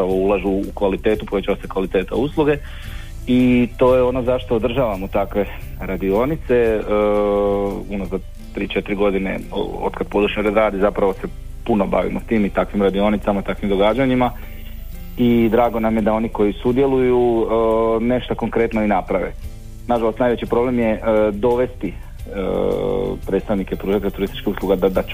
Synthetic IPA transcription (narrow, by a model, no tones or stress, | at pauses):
pɾaʋo̞ulˠaʒuːkʋalit̪e̞ːt̪upoʋe̞t͡ɕaʋasekʋalit̪eːt̪a̰uslˠuɡe̞ | it̪o̞ːjeo̞no̞zaʃt̪oːd̪r̩ʒaːʋamut̪akʋe̞ | ɾad̪io̞nit̪se̞ | unoza | t̪ɾiːt͡ʃe̞t̪iɾiɡo̞d̪ine̞̰o̰d̪kad̪̚po̞d̪uʃɲoɾed̪ɾaːd̪izapɾaʋo̞se̞ | puno̞ba̰ʋḭmʔot̪iːmit̪akʋimɾad̪io̞nit̪samat̪akʋimd̪o̞ɡaːd͡ʑaɲima | id̪ɾaːɡo̞namje̞d̪ao̞niko̞jisud̪je̞luju | ne̞ʃt̪ako̞ŋkɾe̞t̪noinapɾaʋḛ | naʒalost̪najʋe̞t͡ɕipɾo̞ble̞mje̞d̪o̞ʋe̞st̪i | ə | pɾe̞t̪t̪aʋnikepɾuːʒet̪eʎat̪uɾist̪i̥t͡ʃkihuslˠuɡad̪ad̪at͡ʃ